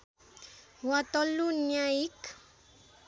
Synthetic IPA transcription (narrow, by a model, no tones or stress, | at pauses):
wat̪ɔlːunjaik